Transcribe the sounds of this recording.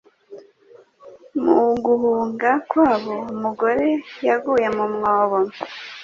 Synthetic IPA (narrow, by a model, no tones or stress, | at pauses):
muɡuhuːŋɡakwaːβo̞umuɡo̞ɾe̞jaɡuːje̞mumŋoːβo